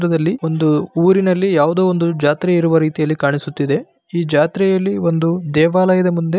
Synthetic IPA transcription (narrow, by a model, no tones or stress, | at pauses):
ɾɐd̪ɐlːio̞nd̪uuːɾinɐlːijaːʋud̪oːond̪ud͡ʒaːt̪ɾɛiɾuʋɐɾiːt̪ijɐlːikaːɳisut̪ːid̪e̞ | iːd͡ʒaːt̪ɾɛjɐlːio̞nd̪ud̪ɛːʋaːlɐjɐd̪ɐmund̪e